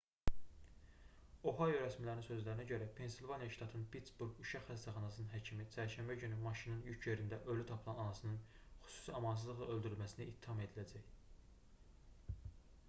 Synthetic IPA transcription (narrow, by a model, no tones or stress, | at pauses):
o̞ɦɑjoɾæsmilæɾninsø̞zlæɾinæɟø̞ɾæpʰe̞nsilvɑnijɑʃt̪ɑt̪ʰɯnpʰit̪sbuɾɡuʃɑχhæst̪æχɑnɑsɯnɯnɦæcʰimit͡ʃʰæɾʃæmbæɟynymɑʃinɯnjycʰje̞ɾind̪æʔølyt̪ʰɑpʰɯlˠɑnɑnɑsɯnɯn | xy̥su̥siɑmɑns̬ɯzlˠɯɣlˠɑøld̪yɾylmæsiniʔit̪ʰːihɑme̞d̪ilæd͡ʒæj